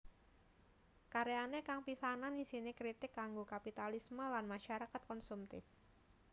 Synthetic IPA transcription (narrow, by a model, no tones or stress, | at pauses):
kaɾeanekaŋpisananisinekɾit̪ɪkːaŋɡokapit̪alisməlanmaʃaɾakat̪̚kɔnsumt̪ɪ̰f